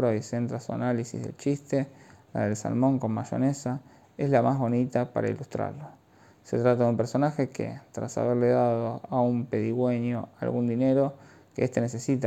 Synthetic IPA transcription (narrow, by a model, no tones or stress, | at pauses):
ɾoise̞nt̪ɾasua̰nalisḭzðḛlt͡ʃist̪ela̰ðelsa̰lmo̞ŋko̞mmaʃo̞̰nesa | e̞zlamazβo̞nit̪apa̰ɾa̰ḭlust̪ɾa̰ɾlo | se̞t̪ɾat̪aðumpeɾso̞naxekḛt̪ɾasa̰βeɾle̞ðaðoaumpe̞ðiɣweɲjoa̰lɣund̪ine̞ɾo̞ | keest̪e̞ne̞se̞sit̪a